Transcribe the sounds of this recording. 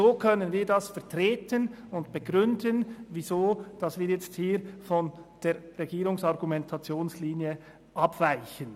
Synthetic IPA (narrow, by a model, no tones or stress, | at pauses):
zoːkʰœnənviːdɑsfɛɐtʁ̥eːtən | ʊntb̥eɡ̥ʁʏndənvizoːd̥ɑsviːɐjɛt͡sthiːɾfɔnd̥eːɾːeɡiːʁʊŋsɑʁɡumɛntʰɑt͡sjoːnsliːnjə | ʔɑpv̥aɪçən